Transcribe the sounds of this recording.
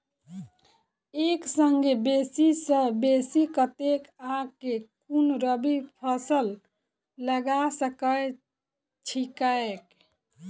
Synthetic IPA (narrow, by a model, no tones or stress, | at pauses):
eksəŋɡebesisə̃besikət̪ekaɡkekunɾəbipʰəsəl | ləɡasəkəj | t͡ʃʰikaek